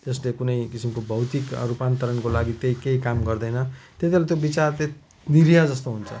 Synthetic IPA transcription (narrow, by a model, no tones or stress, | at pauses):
t̪eslekunʌjkisimkobʱʌwt̪ikɾupant̪ʌɾʌnkolaɡit̪eikeikamɡʌrd̪ʌjnʌt̪et̪ialat̪jobit͡sart̪e | d̪iɾijad͡zʌst̪oɦunt͡sʰʌ